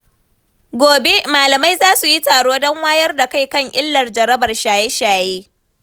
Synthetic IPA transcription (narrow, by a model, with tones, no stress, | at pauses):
ɡʷoː˨be˦maː˨lɐ˨ma˦jzaː˦su˨ji˦taː˨ɽoː˦dɔ˦ŋwaː˦jɐ˦rda˨ka˦˨jkɐ˦˨ŋʔɪ˦lːɐ˨rd͡ʒɐ˨ɾɐ˦bɐ˨rʃaː˨jɛ˦ʃaː˨jeː˦